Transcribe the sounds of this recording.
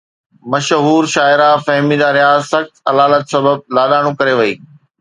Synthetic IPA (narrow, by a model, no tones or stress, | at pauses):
mɐʃɦuːɾʃaːɪɾafɐɦmid͡ʑaɾɪjaːsɐxt̪ɐlaːlət̪sɐbəb̚laːɗaːɽ̃ũkɐɾeʋɐiː